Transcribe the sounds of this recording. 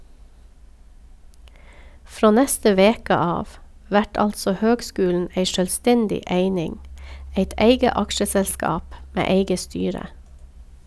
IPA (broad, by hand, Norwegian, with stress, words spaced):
ˈfɾoː ˈnɛstə ˈʋeːkə ˈɑːʋ ˈʋæʈ ˈɑltsɔ ˈhøːɡˌskʉːln̩ ˈeɪ ʃœlˈstɛndɪ ˈeɪnɪŋ ˈeɪt ˈæɪɡə ˈɑkʃəsɛlˌskɑːp ˈmeː ˈeɪɡə ˈstyːɾə